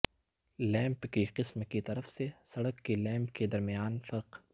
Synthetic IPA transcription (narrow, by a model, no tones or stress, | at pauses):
lɛ̃ːmpkiqɪsmkit̪ɐɾəfsesɐɽəkːilɛ̃ːmpked̪ɐɾmijaːnfɐɾq